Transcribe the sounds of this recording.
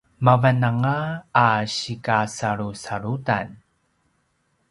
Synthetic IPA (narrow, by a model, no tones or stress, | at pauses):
mavanaŋaː | ɕikasaɾusaɾuta̰n